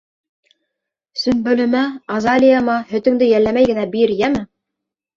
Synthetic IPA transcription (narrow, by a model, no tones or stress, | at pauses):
sɵ̆nbɵ̆lɵ̆mæɑzɑlʲijamɑhɵ̆t̪ɵ̆ŋd̪ɘjælːæmæjɡɘ̆næbiɾjæmɘ